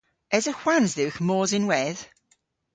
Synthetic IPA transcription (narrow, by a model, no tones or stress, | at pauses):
ɛzəxwanzðɪwxmɔːzɪnwɛð̥